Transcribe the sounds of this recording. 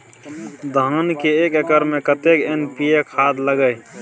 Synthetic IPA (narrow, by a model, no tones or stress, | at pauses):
d̪ʱənkeekekəɾmẽkət̪ekenpijekʰad̪ləɡəj